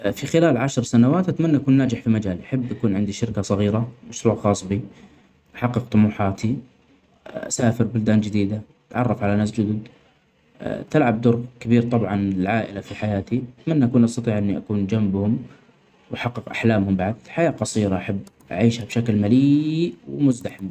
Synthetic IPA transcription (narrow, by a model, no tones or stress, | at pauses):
fixɪlaːlʕaʃɾˤsanawaːt̪ʔat̪manːaʔakuːnːaːd͡ʒɪħfimad͡ʒaːlʔaħabːʔakuːnʕɪnd̪iʃɪɾkasˤɑɣiːɾamaʃɾuːʕxɑːsˤbi | ʔaħɑqːɨqt̪ˤʊmuːħaːt̪ʰi | ʔa̰saːfɪɾbʊld̪aːnd͡ʒɪd̪iːd̪a | t̪ʕɑrˤːɑfʕalanaːs̬d͡ʒʊd̪ʊd̪ | t̪ɪlʕab̚d̪ʊɾˤɣkabiːɾt̪ˤɑbʕɑnɪlʕaːʔɪ̰lafiħajaːt̪iʔʔat̪manːaʔakuːnʔɑst̪ɑt̪ˤiːʕʔɪnːiʔakuːnd͡ʒambhʊm | wʔaħɑqːɪqʔaħlaːmhʊmbaʕd̪ħajaːqɑsˤiːɾaʔaħabː | ʔa̰ʕiːʃhabʃaklmaliːwmʊzd̪aħɪm